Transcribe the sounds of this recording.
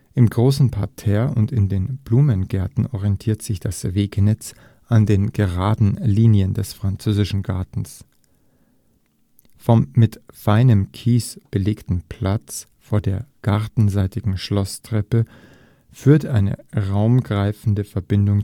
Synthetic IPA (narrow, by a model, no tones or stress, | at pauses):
ʔɪmɡʁoːsn̩pʰaɐtʰɛːɐʊntɪndeːnb̥luːmənɡɛɐtn̩ɔʁiɛntʰiːɐtz̥ɪçd̥asveːknɛt͡s | ʔandeːnɡ̥əʁaːdn̩liːnjəndɛsfʁ̥ant͡søːzɪʃn̩ɡaɐtn̩s | fɔmːɪtfaɪnəmkʰiːsb̥əleːktn̩pʰl̥at͡s | foːɐdeːɐɡ̥aʁtn̩zaɪtɪɡŋ̩ʃlɔstʁ̥ɛpə | fyːɐtʔaɪnə̰ʁaʊmɡʁaɪfn̩dəfɛɐbɪndʊŋ